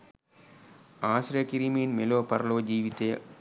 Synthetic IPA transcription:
aːsɾjɐkiɾiminmeloːpɐɾɐloːd͡ʒiːʋit̪eː

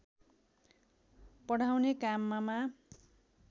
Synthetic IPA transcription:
pʌɽ̤awnekamːama

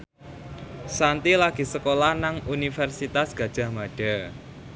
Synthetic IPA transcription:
sant̪ilaɡ̥i̤səkolanaŋunifɛrsit̪asɡ̥a̤d̥ʒ̥a̤hmaɖ̥a

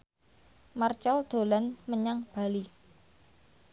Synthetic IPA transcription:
mart͡ʃald̪̥o̤lanməɲaŋb̥a̤li

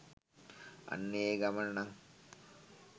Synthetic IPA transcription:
a̰nːeeːɡamənənaŋ

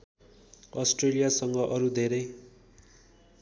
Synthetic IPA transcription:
ʌsʈrelijasʌŋɡʌʔʌɾud̪ʱeɾʌj

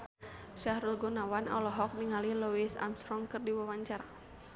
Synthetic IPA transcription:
ʃahɾulɡɔnawanɔ̰lɔɦɔk̚niŋaliluisa̰mst̪ɾɔŋkɨrdiwawaɲt͡ʃaɾa

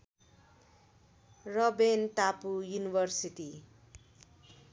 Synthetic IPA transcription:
rʌbent̪apujunibʱʌrsiti

